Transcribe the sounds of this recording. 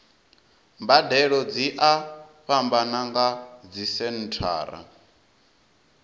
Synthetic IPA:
mbadɛɺɔd͡ziʔaɸambanaŋɡad͡zisɛn̩tʰa̰ːɾa̰

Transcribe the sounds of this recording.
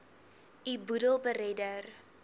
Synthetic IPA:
ibudəlˠbəɾɛdər

